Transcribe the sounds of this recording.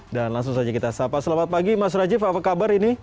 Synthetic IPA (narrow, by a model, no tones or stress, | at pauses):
danlaŋsʊŋsad͡ʒakit̪asapasəlamat̪̚paɡimas̬ɾad͡ʒɪfapakabaɾini